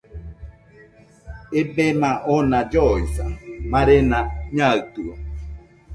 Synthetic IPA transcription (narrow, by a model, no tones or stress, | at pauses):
ebemaʔɔnad͡ʒɔisa̰maɾenaɲaɯt̪uɔ